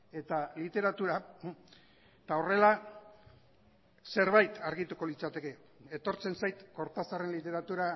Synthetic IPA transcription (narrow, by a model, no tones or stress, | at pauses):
e̞t̪alit̪e̞ɾat̪uɾa | t̪ao̞re̞la | se̞ɾβajt̪ʰaɾɣit̪uko̞lit͡sat̪e̞ke̞ | et̪o̞ɾt͡se̞nsajt̪ko̞ɾt̪asare̞nlit̪e̞ɾat̪uɾa